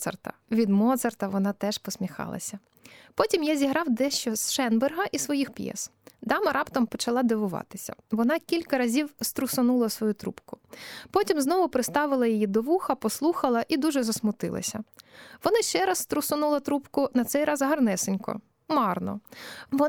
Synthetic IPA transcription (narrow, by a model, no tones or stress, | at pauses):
sɐ̰rt̪ɐ̰ʋʲid̪mɔt̪sɐrt̪ɐʋɔnɑt̪ɛʃpɔsʲmʲixɑ̰lˠɐ̰sʲɐ | pɔtʲimjazʲiɦɾɑwd̪ɛʃt͡ʃɔzʃɛnberɦɐʔisʋɔjixpjɛ̰sd̪ɑmɐɾɑpt̪ɐmpɔt͡ʃɐlˠɑd̪eʋʊʋɑ̰t̪ɪsʲɐ̰ʋɔnɑkʲilʲkɐɾɐzʲiwst̪ɾʊsʊnulˠɐsʋɔjut̪ɾṵpkʊpɔtʲimznɔʋʊpɾɪst̪ɑʋɪlˠɐjɔjid̪ɔʋuxɐpɔslˠuxɐlˠɐʔid̪uʒɛzɐsmʊt̪ɪ̰lˠɐ̰sʲɐʋɔnɑʃt͡ʃɛɾɐsːt̪ɾʊsɔnulˠɐt̪ɾupkʊnɐt̪sɛjɾɑzɦɐrnɛsɪnʲkɔ̰ | mɑrnɔ̰ʋɔ